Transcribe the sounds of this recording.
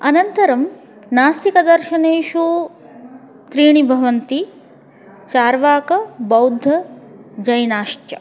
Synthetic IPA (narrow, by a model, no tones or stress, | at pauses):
ɐnɐnt̪ɐɾɐm | naːst̪ikɐd̪ɐɾʃɐneːʃu | t̪ɾiːɳ̃ibʱɐʋɐnt̪i | t͡ʃaːɾʋaːkɐbɐwd̪ʱːɐd͡ʒɐjnaːʃt͡ʃɐ̰